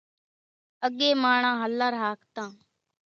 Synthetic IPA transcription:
əɡeːmaːɳ̃ãːɦəlːaːɾɦaːkt̪ãː

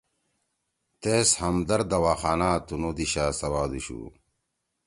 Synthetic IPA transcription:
t̪eːshɐmd̪ɐɾd̪ɐwaːxaːnaːt̪unoːd̪iɕaːsɐwaːd̪uɕṵː

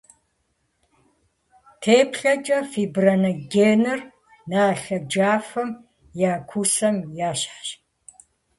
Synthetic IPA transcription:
tʰeːpʰɬɐt͡ʃʼɐfiːbrɐnɐɡeːnɨr | naːɬɐd͡ʒaːfɐm | jaːkʷʰusɐmjaːɕħɕ

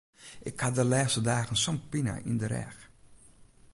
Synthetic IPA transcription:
ʔɪkhadəlɛːxstədaːxən̩sɔnpina̰ʔḭndəɾɛ̰x

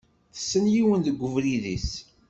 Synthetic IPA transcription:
θə̥sːənjiwənðəɡʷːəvɾiðḭs

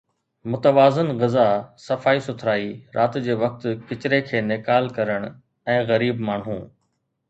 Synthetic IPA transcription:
mʊt̪əʋaːzɪnɣɪzasɐfaːisʊt̪ʰɾaːiɾʔaːt̪d͡ʑeːʋɐk̚t̪kɪt͡ɕɪɾekʰeːnɪkaːlkɐɾəɽ̃ | ɛ̃ːɣɐɾiːbmaːɳ̤ũː

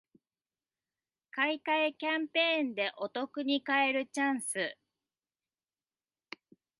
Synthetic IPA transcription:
kaikaekʲãmpẽ̞ːnd̪e̞ʔo̞t̪o̞kɯ̟ɲ̟ikaeɾɯ̟t͡ɕãɰ̃sɨ

